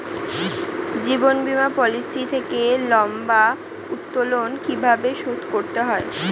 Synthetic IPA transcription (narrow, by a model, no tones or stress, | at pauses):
d͡ʑibonbimapɔlisit̪ʰekelɔmba | ut̪ːolonkibʱabeʃud̪ʱkoɾt̪eɦɔe